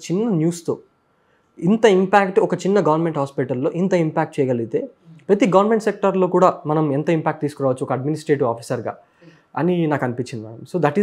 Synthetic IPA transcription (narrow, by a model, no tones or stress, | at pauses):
t͡ʃinːɐnjuːst̪o̞̰ː | int̪ɐimpaːk̚ʈɔkɐt͡ʃinːɐɡɐʋɐɾnme̞ɳʈɦaːspiʈɐlːo̞ːʔint̪ɐimpaːk̚ʈ̚t͡ʃɛːjɐɡɐliɡit̪e̞ːpɾɐt̪iɡɐʋɐɾnme̞ɳʈsek̚ʈɐɾlo̞ːkuːɽaːmɐnɐmɛnt̪ɐimpʲaːk̚ʈ̚t̪iːsu̥kuɾaːʋɐt͡ʃːuɔkɐɖminisʈɾeːʈiʋaːpʰisɐɾɡa̰ː | ɐninaːkɐnipit͡ʃːind̪ia̰msoːd̪ɐʈi